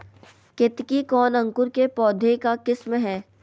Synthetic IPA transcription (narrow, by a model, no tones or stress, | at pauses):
kɪt̪kikɔːnɐ̃ŋkʊɾkepɔːd̪ʱekakɪsmɦɛː